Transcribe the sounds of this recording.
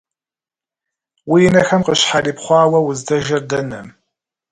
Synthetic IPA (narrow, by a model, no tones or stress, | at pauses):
wijɪnɐxɐmqəɕħariːpχʷɑːwɐwʊzdɐʒɐrdɐnɐ̰m